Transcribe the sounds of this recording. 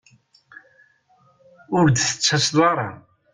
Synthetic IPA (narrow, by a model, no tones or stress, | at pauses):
ʊɾd̪θə̥t͡sːæsðˤɑɾˤɑ̰